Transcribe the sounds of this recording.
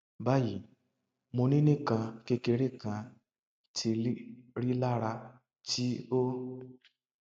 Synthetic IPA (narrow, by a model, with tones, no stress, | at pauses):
ba˦ji˨ | mo˧ni˦ne˦kã˧ke˦ke˧ɾe˦kã˧ | tʰi˧˦ɾi˦la˦ɾa˧ | ti˦o˦